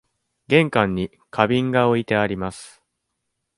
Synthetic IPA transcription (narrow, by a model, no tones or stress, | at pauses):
ɡẽ̞ŋkãɲ̟ːi | kʰabʲĩŋɡaoit̪e̞aɾʲimasɨ̥